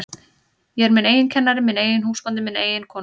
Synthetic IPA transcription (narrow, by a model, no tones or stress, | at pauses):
jɛɛɾmɪneːjɪncʰɛnːaɾɪmɪneːjɪnhuːspant̪̬ɪmɪnḛːjɪnkʰɔː